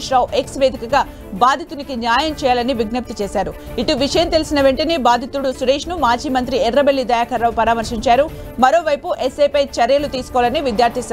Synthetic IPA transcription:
ʂɾɐːwʔe̞ksʋeːd̪ʱikɐɡaː | baːd̪ʱit̪unikinjaːjɐmt͡ʃɛːjaːlɐniʋiɡnɐp̚t̪it͡ʃeːsaːɾu | iʈuʋiʂɐjɐmt̪elisinɐʋe̞ɳʈɐniːbaːd̪ʱit̪uɽusuɾeːʂnumaːd͡ʒiːmɐnt̪̬ɾiɛrːɐbelːid̪ɐjaːkʰɐɾɐwpɐɾaːmɐɾʂiɲt͡ʃaːɾu | mɐɾo̞ːʋɐjpuʔesːeːpɐjt͡ʃɐɾɐjɐlut̪iːsu̥kɔʋalɐniʋid̪jaːɾt̪isaː

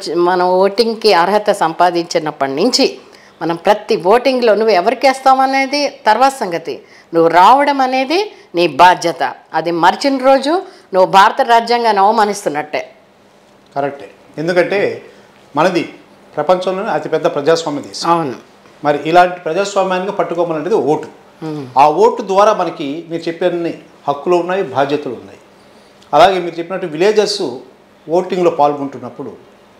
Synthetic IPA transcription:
mɐnɐmʋoːʈiŋɡkiɐɾɦɐt̪ɐsɐmpaːd̪iɲt͡ʃinɐpːɐɽnuɲt͡ʃi | mɐnɐmpɾɐt̪iʋoːʈiŋɡlo̞ːnuʋːuɛʋɐɾikeːst̪aːmɐne̞ːd̪it̪ɐɾʋaːt̪ɐsɐŋɡɐt̪ḭ | nuʋːuɾaːʋɐɽɐmɐne̞ːd̪i | niːbaːd̪jɐt̪ɐ̰ɐd̪imɐɾit͡ʃinɾo̞ːd͡ʒu | nuʋːubʱaːɾɐt̪ɐɾaːd͡ʒjaŋɡaːniɐʋɐmaːnist̪unːɐʈːeː | kɐɾek̚ʈeː | end̪ukɐɳʈe̞ː | mɐnɐd̪i | pɾɐpɐɲt͡ʃɐmlo̞ːniɐt̪ipɛd̪ːɐpɾɐd͡ʒaːsʋaːmjɐt̪ḭːsɐwnu | mɐɾiʔilaːɳʈi̥pɾɐd͡ʒaːsʋaːmjaːniɡaːpɐʈːukɔːmaːlɐɳʈed̪ioːʈu̥ | aːo̞ːʈud̪ʋaːɾaːmɐnɐkimiːɾut͡ʃe̞pːiɐni | hɐkːuloːunːaːjibʱaːd̪jɐt̪ɐlounːa̰ːji | ɐlaːɡe̞ːmiːɾut͡ʃe̞pːinɐʈːuʋileːd͡ʒɐɾsu | ʋoːʈiŋɡlo̞ːpaːlɡuɳʈunːɐpːuɽu

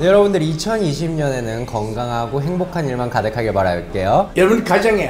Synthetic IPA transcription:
jʌɾʌbundɯɾit͡ɕʰʌniɕʰimɲʌne̞nɯnkʌŋɡaŋɦaɡoɦe̞ŋbokʰaniɭmankadɯkʰaɡeɭmaɾɦajoɭk͈e̞jojʌʌbundkad͡ʑaŋe

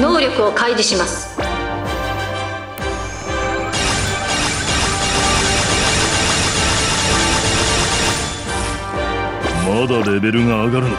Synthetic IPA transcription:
no̞ːɾʲo̞kɯ̟o̞kaid̪iɕimasɨ̥ | mod̪oɾe̞be̞ɾɯŋaːɡaɾɯ

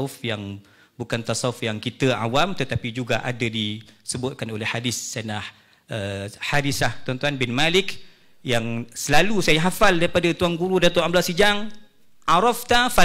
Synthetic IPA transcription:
ʊfjaŋ | bukant̪asaʊfjaŋkit̪əa̰wamt̪ət̪apid͡ʒuɡaʔadadisəbʊt̪̚kanolɛhadɪsːanah | əhadɪslaht̪ɔnt̪uanbɪnmalɪk | jaŋsəlalusajaɦafaldaɾipadat̪uaŋɡuɾudat̪uamblasid͡ʒaŋ | ʔaɾɔft̪afa

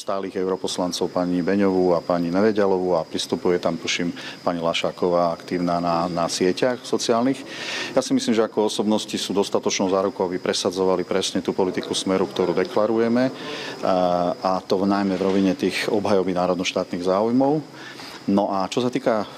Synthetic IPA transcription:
st̪aːliːɣɛʊɾɔpɔslant͡sɔʊpaɲibɛɲɔʋuapaɲinɛʋɛɟalɔʋuapɾist̪upujɛt̪amt̪uʃimpaɲilaʃaːkɔʋaːakt̪iːʊnaːnanasɪɛcaxsɔt͡siaːlnixjaːsimisliːmʒɛakɔɔsɔbnɔscisuːd̪ɔst̪at̪ɔt͡ʃnɔʊzaːɾukɔabipɾɛsad͡zɔʋalipɾɛsɲɛt̪uːpɔlit̪ikusmɛɾukt̪ɔɾuːd̪ɛklaɾujɛmɛ | ʔat̪ɔnajmɛvɾɔʋiɲɛt̪iːxɔbɦajɔbinaːɾɔd̪nɔʃt̪aːt̪niːɣzaːujmɔʊ | nɔʔat͡ʃɔsat̪iːka

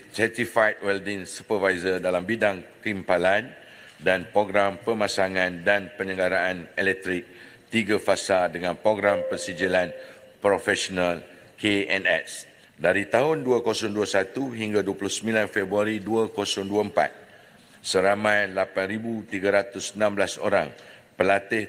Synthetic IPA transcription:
sɛt̪ifajt̪̚wɛldɪŋsupəvajzərdalambidaŋkimpalan | danpɾoɡɾampəmãsaŋãndanpəɲə̃ŋɡaɾaʔanɛlɛk̚t̪ɾɪk̚ | t̪iɡafasadəŋãnpɾoɡɾampənsid͡ʒilanpɾofɛsɔnal | keɛ̃nɛ̰s | daɾit̪aɦʊnduakosʊŋduasat̪uɦiŋɡaduaplʊhsəmilanfɛbɾuaɾiduakosɔŋduaəmpa̰t̪̚ | səɾamãjlapanɾibut̪iɡaɾat̪ʊsənãmblaso̰ɾaŋpəlat̪ɪh

